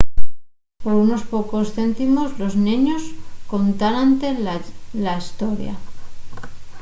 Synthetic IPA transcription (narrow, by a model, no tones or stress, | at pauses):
po̞ɾuno̞spo̞ko̞sθe̞nt̪imo̞zlo̞znĩɲo̞sko̞nt̪anant̪elaist̪o̞ɾja̰